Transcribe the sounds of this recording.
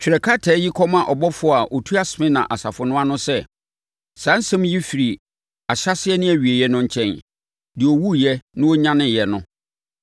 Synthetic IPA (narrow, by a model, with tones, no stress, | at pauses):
t͡ɕᶣɾɛ˨kʰa˦tʰɛː˨˦ji˦kʰɔ˦mã˨ʔɔ˨bɔ˦fʊ˨˦˨a˨ʔo˨tʰu˦a˦sɪ˨mɪ̃˦nã̰˨ʔa˨sa˨fʊ˨nʊ̃˦a˦nʊ̃˦sɛ˦ | sã˨˦n̩˦sã˦m˦ji˦fi˨ɾi˨ | a˨ɕa˦sɪ˦ɛ˦nɪ̃˦æ˨ɥi˨e˨jɛ˦nʊ̃˦ɲ̩˦t͡ɕʰɛ̃˦n | dɪ˨o˨wu˦jɛ˦nɪ̃˦wo˦ɲã˦nɪ̃˦jɛ˨nʊ̃˦